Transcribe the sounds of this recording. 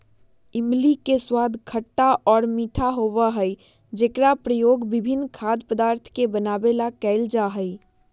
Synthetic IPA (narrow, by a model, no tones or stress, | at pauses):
ɪmlikeswaːd̪ʱkʰəʈːaʔɔːɾmiːʈʰaɦoːʋaɦəi | d͡ʒeːkɾapɾəjoːɡbɪbʱɪnːkʰaːd̪pəd̪aːɾt̪ʰkebənaːbelakɛːld͡ʒaɦəi